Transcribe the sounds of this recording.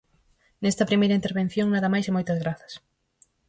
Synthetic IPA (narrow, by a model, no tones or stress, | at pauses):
nest̪ɐpɾimejɾɐint̪eɾβẽn̟θjoŋnaðɐmajsemojt̪ɐzɣɾaθɐ̥s